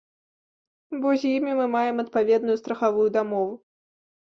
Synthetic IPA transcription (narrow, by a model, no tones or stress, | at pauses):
bɔzʲjimʲimɨmajɛmɐt̪̚pavʲɛd̪nʊjust̪ɾɐxavujud̪amɔvu